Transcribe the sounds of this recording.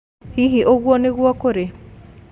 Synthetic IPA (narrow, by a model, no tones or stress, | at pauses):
hiɦiʔoɣwɔneɣwɔkoɾe